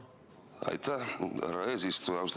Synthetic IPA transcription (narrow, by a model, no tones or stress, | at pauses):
a̰jt̪araezist̪uawst̪